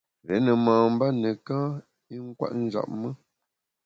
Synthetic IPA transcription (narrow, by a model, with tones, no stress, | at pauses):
lɛ˨˦nə˨mãː˨m̩˦ba˦nə˨kãː˦ | i˦ŋ̩˦kwa̰˦ʔn̩˦d͡ʒa̰˨p̚mə˦